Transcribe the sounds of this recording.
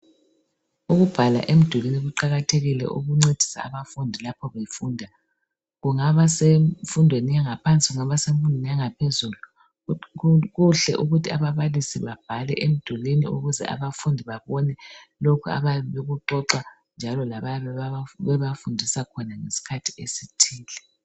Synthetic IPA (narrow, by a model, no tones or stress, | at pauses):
uɣub̥ʱala̰ʔem̩d̥ʱwuliniɣuǃaɣatʰeɣilɛ̰ʔṵɣuŋ͡ǀed̥ʱi̥sa̰ːβafundʱilapʰɔβejfuːndʱa | ɣuŋaβasefundʱwenijaŋapʰant͡sʼiɣuŋaβaseɱfundʱwenijaŋapʰezulu | ɣuɬɛʔuɣutʰiaβaβalisiβab̥ʱalɛ̰ʔem̩d̥ʱwulinḭuɣuzɛ̰ʔa̰βafundʱiβaβɔnɛlokʰua̰βaβeɣuǃɔǁa | nd͡ʒʱalɔlaβajaβɛβɛβafundʱisakʰɔnaŋesi̥kʰatʰi̥esitʰiːlɛ